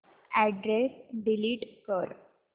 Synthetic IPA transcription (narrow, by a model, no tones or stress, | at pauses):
ɛɖɾesɖiliːʈkəɾ